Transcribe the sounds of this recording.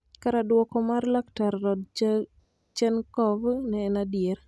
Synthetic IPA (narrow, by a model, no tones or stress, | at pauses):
kaɾadwɔkɔmarlaktaɾːɔd̚ | t͡ʃɛnkɔvnɛːnadɪjeɾ